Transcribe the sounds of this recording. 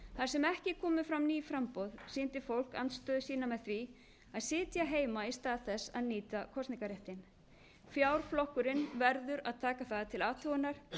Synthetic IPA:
θaɾsɛmɛhcɪkʰɔːmʏfɾamniːfɾampowðsiːnt̪ɪfowl̥ka̰nt̪st̪œːðʏsiːnamɛðθvi | aðsɪːt̪jaɦeːjmaist̪aːðθɛsːa̰ðniːt̪akʰɔst̪niŋkaɾeht̪ɪn | fjaːwɾ̥flɔhkʏɾɪnvɛɾðʏɾa̰ðt̪ʰaːkaθaːðat̪ʰɪlaːt̪ʰuwɪnaɾ̥

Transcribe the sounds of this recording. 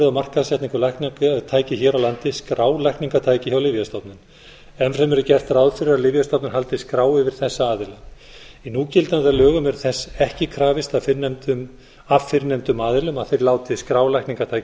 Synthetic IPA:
ðawmar̥kaðsjɛht̪niŋkʏɾlajknit̪ʰaːjcɪçɛːɾawlant̪ɪskɾaːwlajhkniŋkat̪ʰaːjcɪçawlɪvjast̪ɔt̪nɪn | ɛnsɛmɛɾʏcɛr̥t̪rawðfɪɾɪɾaðlɪvjast̪ɔtpnɪnɦalt̪ɪskɾaːwɪvɪɾ̥θɛsːaaːðɪla | inuːcɪlt̪anðalœːɣʏmɛɾθɛsːɛhcɪkʰɾaːvɪst̪aðfɪɾnɛmt̪ʏm | avfɪɾnɛmt̪ʏmaːðɪlʏmaðθejɾlaːwt̪ɪskɾaːwlajhkniŋkat̪ʰajc

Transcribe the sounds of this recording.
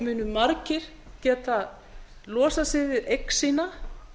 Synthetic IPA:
mʏːnʏmaɾcɪɾ̥ | cɛːt̪a | lɔːsasɪðvɪðejksiːna

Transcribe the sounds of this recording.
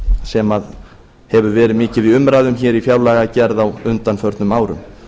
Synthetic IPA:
sɛmað | hɛvʏvɛːɾɪðmɪːcɪviʏmɾaːðʏmçɛːɾifjaːwlaɣacɛɾðawʏnt̪anfœɾt̪nʏmaːwɾʏ̰m

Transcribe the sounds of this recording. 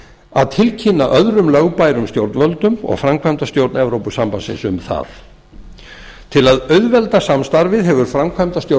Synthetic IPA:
a̰ðt̪ʰɪlcʰɪnːaʔœðɾʏmlœɣpajɾʏmst̪jowɾt̪nvœlt̪ʏmɔ̰ɣfɾamkʰvajmt̪ast̪jowɾt̪nɛvɾowpʏsampansɪ̰nsʏ̰mθa̰θ | t̪ʰɪlaðœɥðvɛlt̪asamst̪aɾvɪðɦɛvʏɾ̥fɾamkʰvamt̪ast̪jo

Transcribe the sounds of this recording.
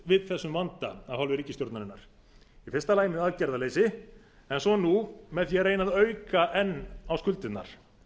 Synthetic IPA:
vɪðθɛsːʏmvant̪aahalvɪɾiːcɪst̪jowɾt̪naɾɪnːaɾ̥ | ifɪrst̪alaːjmɪaðcɛɾðaleːjsɪ | ɛnsɔnumɛðθjɛɾeːjnaðœːɥkaʔɛnːawskʏlt̪ɪt̪na̰ɾ̥

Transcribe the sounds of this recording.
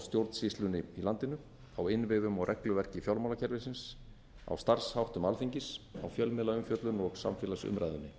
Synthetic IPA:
st̪jowɾt̪n̥sist̪lʏnɪilant̪ɪnʏ | awɪnvɪðʏmɔɣrʔɛklʏvɛr̥cɪfjawlmawlacʰɛɾvɪsɪns | a̰wst̪ar̥shawht̪ʏmalfiɲcɪsa̰wfjœlmɪːlaʏmfjœt̪lʏnɔɣsa̰mfɪːlasʏ̰mɾajðʏnːɪ

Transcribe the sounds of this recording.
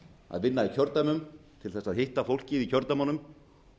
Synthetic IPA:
a̰ðvɪnːaicʰœɾt̪amʏmt̪ʰɪlθɛsːaðhɪht̪afowl̥cɪðicʰœɾt̪amɔnʏm

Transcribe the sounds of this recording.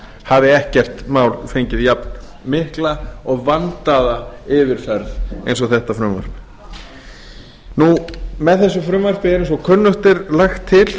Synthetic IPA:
havðɪɛhcɛr̥t̪maːwlfejɲcɪðjapn | mɪhklaɔɣvant̪aðaɪvɪɾ̥fɛɾθejns̬ɔɣθɛht̪afɾʏmva̰ɾ̥p | numɛðθɛsːʏfɾʏmvar̥pɪɪnsɔkʰœnːʏht̪ɪɾlaxt̪ʰːɪl

